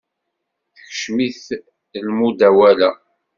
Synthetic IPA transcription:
θəçʃmiθ | lmud̪æwælæ

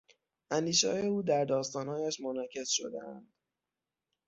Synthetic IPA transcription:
ʔænd̪iːʃɒjeuːd̪æɾd̪ɒːst̪ɒːnhɒːjæʃmonɒcʰe̞sʃo̞̰d̪ḛʔæ̰nd̪̥

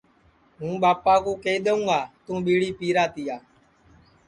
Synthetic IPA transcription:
ɦũːɓaːpaːkũːkeiɗ̪eũːɡaːt̪ũːɓiːɽiːpiːɾaːt̪iːaː

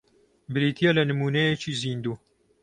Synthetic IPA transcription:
bɨɾiːt̪ʰijɛlɐnɨmuːnɐjet͡ʃiːziːnd̪uː

